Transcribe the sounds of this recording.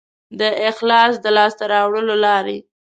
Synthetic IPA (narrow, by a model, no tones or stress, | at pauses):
d̪əɪxlɑsd̪əlɑst̪aɾɑwɽəlolɑɾḛ